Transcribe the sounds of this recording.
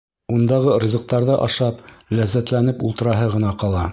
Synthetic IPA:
und̪ɑʁɤɾʲizɤ̆q̚t̪ɑɾðɤʔɑʃɑplæzːæt̪lænɘpulˠt̪ɤ̆ɾɑɦɤʁɤ̆nɑqɑlˠɑ

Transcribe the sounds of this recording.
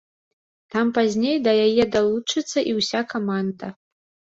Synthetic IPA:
t̪ampazʲnʲejd̪ɐjajɛd̪alˠut͡ʂɨt̪sːɐʔiwsʲakamand̪ɐ

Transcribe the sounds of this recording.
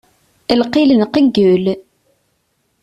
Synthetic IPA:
əlqilənqəɡːəl

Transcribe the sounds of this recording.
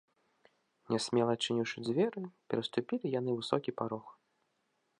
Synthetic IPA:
nʲɛsʲmʲɛlˠɐt͡ʂɨnʲiwʂɨd͡zʲvʲɛɾɨpʲɛɾɐst̪upʲilʲijanɨvɨsɔkʲipaɾɔx

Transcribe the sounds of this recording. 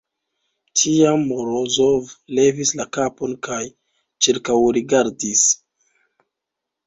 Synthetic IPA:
tʰiamːoɾozovle̞vislakapo̞nkaj | t͡ʃiɾkawɾiɡaɾdis

